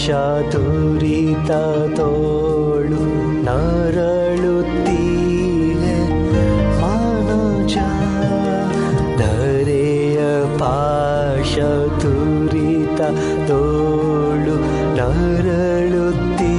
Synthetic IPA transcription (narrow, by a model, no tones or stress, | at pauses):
ʂa | d̪ʱu | ɾi | t̪a | t̪o | ɭu | nɐ | ɾɐ | ɭu | t̪ːi | le | ma | nɐ | t͡ʃa | d̪ʱɐ | ɾe | jɐ | pa | ʂɐ | d̪ʱu | ɾi | t̪a | t̪o | ɭu | nɐ | ɾɐ | ɭu | t̪ːi